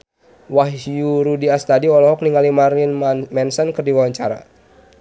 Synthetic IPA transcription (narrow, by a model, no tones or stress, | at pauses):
wahjuɾudiast̪adiɔlɔɦɔk̚niŋalimaɾinmɛnsənkɨrdiwawaɲt͡ʃaɾa̰